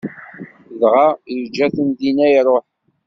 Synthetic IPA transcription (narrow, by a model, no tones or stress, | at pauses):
ðʁajəd͡ʒæθənd̪inæjɾˤoħ